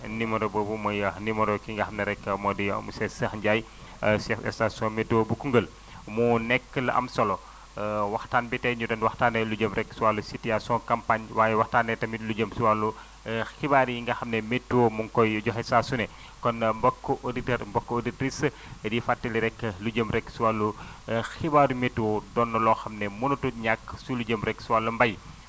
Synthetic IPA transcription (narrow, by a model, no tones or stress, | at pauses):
nimɐdɔbobumɐjɐhnimɔɾɔkiŋɡɐhɐmnɛɾɛkːəmɔdiɐ̰musɛsɐxɲɟaj | sɛfɛ̰stasɔmetːuobukuŋɡəl | munɛkːəlɐʔɐ̰msɐlɔ | wɐxtaːnbitɛɲudɐnwaxtaːnːɛluɟəmɾɛkːsuwalːusitiasɔkɐmpaɲwaːjɛwaxtaːnːɛtɐmiluɟəmsuwalu | xibaːɾjiŋɡɐxɐmnɛmetːuwomuŋkɔjɟɔxɛsasunɛ | kɔnmbɔkːɔʔoditəɾmbɔkːooditɾis | difatːiliɾɛkːəluɟəmɾɛkːsuwalːu | xibaɾumetːwodɔnːɐlɔːxɐmnɛmunutuɲakːsuluɟəmɾɛksuwalːɐmbɐj